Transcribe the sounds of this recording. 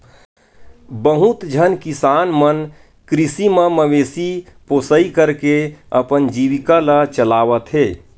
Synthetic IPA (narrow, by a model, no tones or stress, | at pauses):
bəɦut̪d͡ʒʱənkisaːnmən | kɾisimə̃məʋeːsipoːsəikəɾkeəpənd͡ʒiːʋikalət͡ʃəlaːʋət̪ɦeː